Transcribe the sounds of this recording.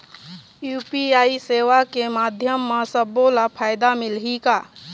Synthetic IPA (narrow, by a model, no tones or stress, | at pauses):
juːpiaːiseːʋakemaːd̪ʱjəmːasəbolapʰaːɪd̪amɪlɦikaː